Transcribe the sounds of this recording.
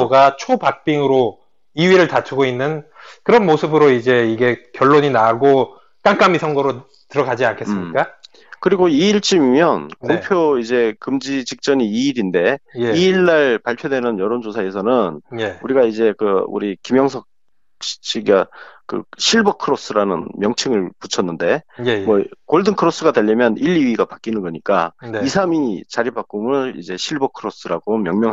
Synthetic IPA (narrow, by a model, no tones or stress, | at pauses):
oɡat͡ɕʰopak̚p͈iŋɯɾo | iɥiɾɯɭtat͡ɕʰuɡoinːɯnkɯɾʌnmosʰɯbɯɾoid͡ʑe̞iɡe̞kjʌɭːoɲinaɡo | k͈aŋk͈amisʰʌŋɡʌɾo | tɯɾʌɡad͡ʑiankʰessɯmɲɲik͈a | kɯɾiɡoiiɭt͡ɕ͈imimjʌnkopʰjoid͡ʑe̞kɯmd͡ʑit͡ɕik̚t͡ɕ͈ʌniiːɾinde̞jeiiɭːaɭpaɭpʰjodwe̞nɯnjʌɾond͡ʑosʰae̞sʰʌnɯnuɾiɡaid͡ʑe̞kɯṵɾikimjʌŋsʰʌk̚ | ɕi̥ɕ͈iɡakɯ̰ɕʰiɭbʌkʰɯɾos͈ɯɾanɯnmjʌŋt͡ɕʰɯŋɯɭput͡ɕʰʌnːɯnde̞mwʌkoɭdɯnkʰɯɾos͈ɯɡadaʎːimjʌniʎːiiɡapak͈inɯnɡʌɲik͈anisʰamit͡ɕaɾibak͈umɯɭḭd͡ʑe̞ɕʰiɭbʌkʰɯɾos͈ɯɾaɡomjʌŋmjʌŋɦ